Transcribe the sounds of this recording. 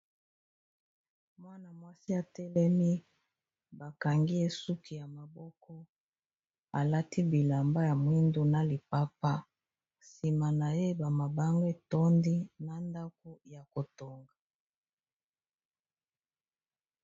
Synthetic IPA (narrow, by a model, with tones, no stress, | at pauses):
mwa˦na˨mwa˦si˦a˨tɛ˦lɛ˦mi˦ | ba˨ka˨ŋɡi˦e˦su˦kʰi˨ja˨ma˨bɔ˦kɔ˦ | a˨la˦ti˦bi˨la˨mba˦ja˨mwi˦ndo˦na˨li˨pa˦pa˦ | si˨ma˨na˨je˦ba˨ma˨ba˦ŋɡo˦e˨tɔ˦ndi˦na˨nda˦ko˦ja˨ko˨to˨ŋɡa˨